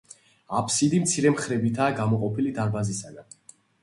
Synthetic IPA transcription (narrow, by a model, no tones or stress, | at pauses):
apʰsid̪imt̪sʰiɾɛmχɾɛbit̪ʰaːɡamɔqʼɔpʰilid̪aɾbazisaɡan